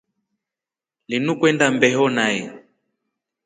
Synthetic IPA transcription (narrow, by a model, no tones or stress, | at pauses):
linukwɛndambɛɦɔnajɛ